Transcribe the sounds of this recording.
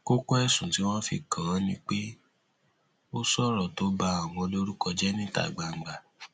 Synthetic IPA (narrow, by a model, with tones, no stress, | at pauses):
ko˦kɔ˦ɛ˦˨sũ˨ti˨˦w̃ɔ̃˦fḭ˧kʰã˨˦nĩ˦k͡pe˦ | o˦sɔ˦ɾɔ˨to˨˦ba˧a˨w̃ɔ̃˧lo˦ɾu˦kɔ˧d͡ʒɛ˦nĩ˦ta̰˨ɡ͡ba˨ŋ̩˨ɡ͡ba˨